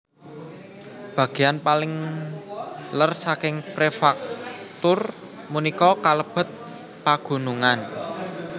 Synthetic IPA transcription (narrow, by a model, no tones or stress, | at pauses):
b̥ä̤ɡ̥e̤janpalɪŋ | lərsakɪŋpɾefak̚t̪ʊr | munikɔkaləb̥ə̤t̪̚ | paɡ̥ṳnuŋan